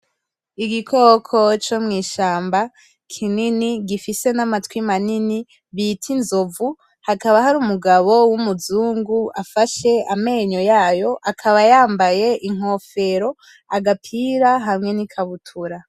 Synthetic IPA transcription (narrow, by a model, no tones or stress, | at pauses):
iɡikʰo̞ːkʰo̞t͡ʃomŋiːʃaːmba | kʰininiɡifise̞namatwimanini | βitʰinzovu | hakaβahaɾuːmuɡaβowumuzuːŋɡuafaʃe̞ame̞ːɲo̞jaːjo̞ʔakʰaβajaːmbaje̞ʔiŋ̥o̞ːfe̞ɾo̞ | aɡapʰiːɾaɦamŋe̞nikʰaβutʰuɾa